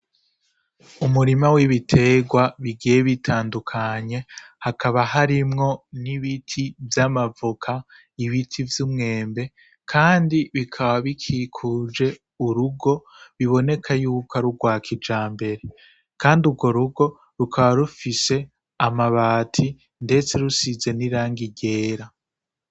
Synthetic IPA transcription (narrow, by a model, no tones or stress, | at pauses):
umuɾimawiβitʰe̞ɡwaβiɡijeβitʰaːndukʰaɲe̞ | hakʰaβahaɾimŋo̞niβitʰivjamavukʰa | iβitʰivjumŋe̞ːmbe̞ | kʰaːndiβikʰaβaβikʰikʰuːd͡ʒe̞ | uɾuɡo̞ | βiβo̞ne̞kʰajuːkʰaɾuɡwaːkʰid͡ʒaːmbe̞ɾe̞ | kaːnduɡo̞ɾuɡo̞ | ɾukʰaβaɾufise̞ | amaβaːtʰi | nde̞t͡se̞ɾusize̞niɾaːŋɡiɟe̞ːɾa